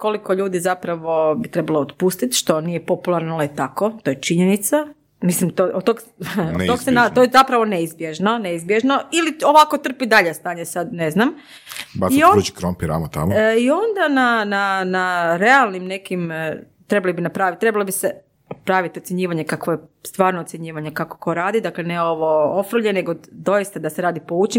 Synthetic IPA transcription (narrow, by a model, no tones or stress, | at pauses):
ko̞likoʎuːd̪izapɾaʋo̞bit̪ɾebalˠoot̪puːst̪it̪ʃt̪o̞nijepo̞pulˠaɾnalait̪akot̪ojet͡ʃiɲenit̪sa | mislimt̪oʔot̪oɡonoɡsenat̪ojezapɾaʋo̞neizbjeʒnoneizbjeʒnoilio̞ʋako̞t̪r̩pid̪aʎest̪aːɲesad̪neznam | basioɾut͡ʃi̥kɾompiɾa̰mot̪a̰mio̞nd̪anananaɾe̞alˠnimne̞kim | t̪ɾebalibinapɾaːʋit̪t̪ːɾe̞balobise | pɾaːʋit̪iot̪sʲjeɲiːʋaɲe̞kakʋojest̪ʋaːɾnot̪sjeɲiːʋaɲekako̥ko̞ɾaːd̪id̪akleneoʋoofɾ̩ʎeneɡod̪o̞jist̪ad̪aseɾaːd̪ipo̞ut͡ʃi